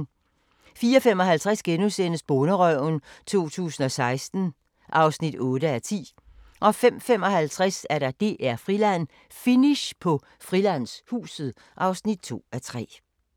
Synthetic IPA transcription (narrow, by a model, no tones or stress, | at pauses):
fiːɐɒfem̰ɒ̽ɦælt͡sʰʁasɡ̥enusen̰əsb̥ɔːnəʁœʊnt͡sʰo̝̰ːt͡sʰṵːsn̩ɒ̽sɑ̈ɪsd̥n̩ | ʔɑ̈ʊsnid̥ɔ̽ːɾ̥əæɐt͡sʰḭː | ʔɒ̽fem̰fem̰ɒ̽hælt͡sʰʁasæɐɾ̥ɑ̈d̥e̝̰ːʔæɐ̰fʁilæn̰ | finiɕpʰɒ̽ | fʁilæn̰shṵːsð̩ˠ | ʔɑ̈ʊsnid̥̚t͡sʰo̝̰ːæt͡sʰʁɛ̰ː